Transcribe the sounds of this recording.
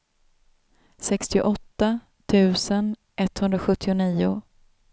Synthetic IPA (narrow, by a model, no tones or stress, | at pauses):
sɛkst̪ɪ̰ʔɔt̪ːa | t̪ʰʉ̟ːsən | ʔɛt̪ːhɵnd̪ɾaɧɵt̪ʰːɪʊniːʊ